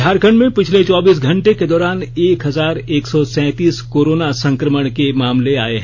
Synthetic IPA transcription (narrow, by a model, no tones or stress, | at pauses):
aːɾkʰəɳɖmẽpɪt͡ʃʰlet͡ʃɔːbiːs̬ɡʱɐ̃ɳʈeked̪ɔːɾaːneːkɦɐzaːɾeːksɔsɛ̃ːt̪iːskoːɾoːnasɐ̃ŋkɾəməɽ̃kemaːmleaːeɦɛ̃